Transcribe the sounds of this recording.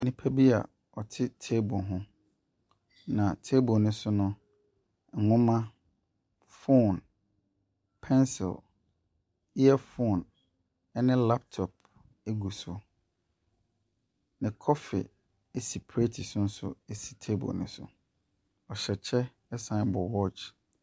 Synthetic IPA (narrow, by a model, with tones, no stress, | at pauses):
nɪ̃˨pʰa˦bi˦a̰˨ | ɔ˨tʰɪ˦tʰe˦bʊ˨ɦʊ̃˦ | nã˨tʰe˦bʊ˨nʊ̃˦sʊ˦nʊ̃˦ | ŋ̩˨ŋʊ̃˦mã˦ | fo˦˨n | pʰɛ̃˦nsɪ̰˨l | i˦ɛ˦fo˦˨n | ɛ˦nɪ̃˦la˦p̚tʰɔ˨p̚ | e˦ɡu˨sʊ˨ | nɪ̃˨kʰɔ˦fɪ̰˨ | e˦si˨pʰɾe˦tʰi˨sʊ̃˦n̩˦sʊ̰˦e˦si̥˨tʰe˦bɔ̰˨nʊ̰̃˦sʊ̰˨ | ɔ˨ɕɛ˨t͡ɕʰɛ˦ | ɛ˦sã˦n˦bɔ˨wɔ˦t͡ʃ